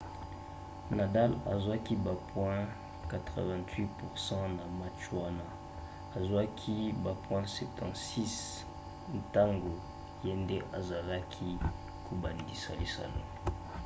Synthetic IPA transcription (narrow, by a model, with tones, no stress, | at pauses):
na˨da˦la̰˨zwa˦ki˦ba˨pʰwɛ̃˦ | ka˨tʁə̰˨vɛ̃˨ntʰwi˦pu˨ʁsɑ̃˦na˨ma˦t͡ʃwa˦na˦ | a˨zwa˦kʰi˦ba˨pwɛ̃˦sɛ˨tʰɑ̃˨tsi˦s | n̩˨ta˦ŋɡo˨ | je˦nde˦ʔa˨za˨la˦kʰi˦ | kʰo˨ba˨ndi˨sa̰˨li˨sa̰˨lo̰˨